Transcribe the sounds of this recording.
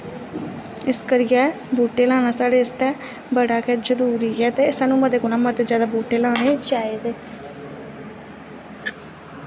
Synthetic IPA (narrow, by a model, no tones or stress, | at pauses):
ɪskəɾɪjɛː | boːʈeːlaːnaːsaːɽeːst̪ɛː | bəɽaːkɛd͡ʒəɾuːɾiːɛːt̪eːsaːnũːməd̪eːkonaːmət̪ezjaːd̪aːboːʈeːlaːneːt͡ʃaːeːd̪eː